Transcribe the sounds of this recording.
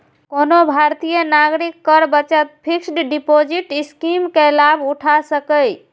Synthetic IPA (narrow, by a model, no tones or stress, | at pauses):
konobʱaɾt̪ijənaɡɾikːəɾbət͡ʃət̪pʰiksɖɖipod͡ʒiʈiskimkelabʱuʈʰasəkəj